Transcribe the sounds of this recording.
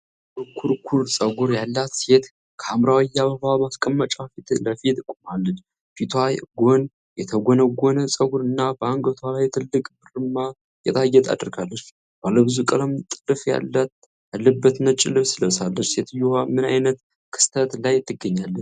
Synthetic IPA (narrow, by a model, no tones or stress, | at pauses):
bəkʰuɾkʰuɾsʼəɡuɾjalːat̪se̞t̪ | kʰəamɾawjaβəβamaskʼəmːət͡ʃʼafit̪ləfit̪ɨkʷʼumalːət͡ʃ | fit̪ʰwajɡo̞n | jɛt̪ʰəɡonəɡʷonəsʼəɡuɾɨnːabəaŋɡət̪ʰwalajt̪ʰɨlːɨkʼbɨrɨmːa | jɛt̪ʰajːɛt̪ʰa̰d̪ɨɾɡalːət͡ʃː | b̥alːəbɨzukʼələmt̪ʼɨlɨfja̰lːat̪ | alːəbːət̪nət͡ʃʼɪ̰lɨβsɨləsalːət͡ʃse̞t̪ɨjːuhamɨna̰jnət̪ | kʰɨ̥st̪ʰət̪lajt̪ʰːɨɡəɲːalːət͡ʃ